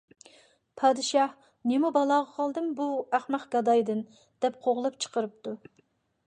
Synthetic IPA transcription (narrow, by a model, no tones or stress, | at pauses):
pʰɑːd̪ɨʃɑh | nemubɑlˠɑːʁɑqʰɑlˠd̪ɨmbuæχmæqɡ̥ɑd̪ɑjd̪ɨn | d̪̥ɛp̚qʰoʁlˠɨp̚t͡ʃʰə̥qəɾɨp̚t̪u